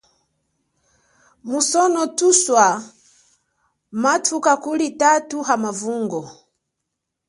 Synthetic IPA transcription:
musɔnɔtuswa | matʰukakulitatuɦamavuŋɡɔ

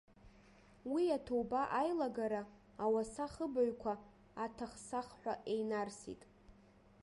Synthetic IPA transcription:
wiatʰowbaʔajlaɡaɾaː | wasaχəbaɥkʷʰa | atʰaχsaχħʷᶣaʔejnarsḭtʼ

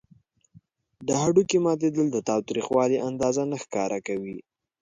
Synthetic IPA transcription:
d̪əɦaɖukemɑt̪̬ed̪əld̪ət̪ɑwt̪ɾixwɑliʔand̪ɑzanaxkɑɾʔakawi

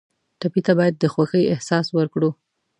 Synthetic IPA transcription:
ʈapit̪abɑjad̪ːəxwaxəjɪhsɑswəɾkɽu

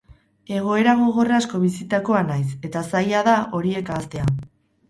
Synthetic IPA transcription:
e̞ɣ̞o̞e̞ɾaɣ̞o̞ɣo̞rasko̞βisit̪ako̞anajse̞t̪asajaðaʔo̞ɾie̞kaːst̪e̞a

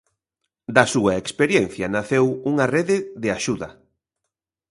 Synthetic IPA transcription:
d̪ɐsuɐekspeɾjen̟θjɐnaθewuŋɐreðɪðɪaʃuðɐ

